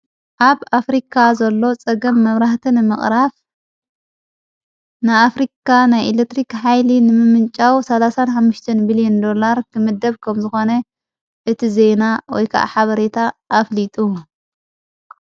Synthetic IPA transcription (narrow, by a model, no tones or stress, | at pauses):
ʔaβafɾikʰazɐlːo̞t͡sʼɐɡɐmːɐβɾaħt̪ʰinɨmɨχʼɾaf | nɨafɾikʰanajʔelekt̪ɾikħajlinɨmɨmɨnt͡ʃʼawsɐlasanħamːʊʃt̪ʰɐnmilijond̪o̞laɾkʰɨmɨd̪ːɐβkʰɐmzɨxo̞nɐ | ʔɨt̪ʰize̞nawɔjkʰa̰ʔa̰ħaβɐɾet̪ʰaʔːflit̪ʼu